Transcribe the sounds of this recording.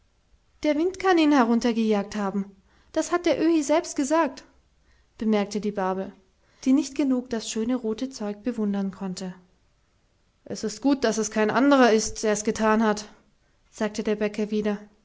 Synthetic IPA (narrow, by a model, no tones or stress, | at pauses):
d̥eːɐvɪntkʰaniːnhɛʁ̞ʊntɐɡəjaːk̚thaːbm̩ | d̥ashat̚d̥eːɐʔøːhiːzɛlpst̚ɡ̥əzaːk̚t | b̥əmɛɐk̚tədiːbaɐbl̩ | d̥iːnɪçt̚ɡ̥ənuːkd̥asʃøːnəʁoːtət͡sɔʏk̚b̥əvʊndɐnkʰɔntʰə | ʔɛsɪstɡ̥uːt̚d̥asɛskʰaɪnʔandəʁɐɪstd̥eːɐɛsɡ̥ətʰaːnhat | z̥aːk̚tʰədeːɐbɛkɐviːdɐ